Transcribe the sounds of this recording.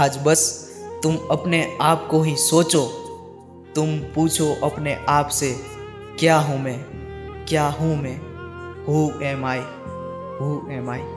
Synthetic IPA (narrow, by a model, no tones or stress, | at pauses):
ɦaːd͡ʒbəs | t̪ʊmɐpneaːpkoɦĩsoːt͡ʃo | t̪ʊmpuːt͡ʃʰoʔɐpneʔaːpse | kjaɦũmẽkjaɦũmẽɦũɛ̃ːmaːi | ɦuɛ̃ːmaːi